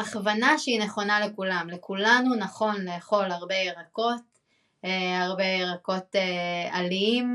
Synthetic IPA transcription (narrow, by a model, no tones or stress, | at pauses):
aχvanaʃeineχo̞nale̞kulamle̞kulanunaχo̞nleːχo̞laʁbejeʁako̞t | eaʁbejeʁako̞tealiim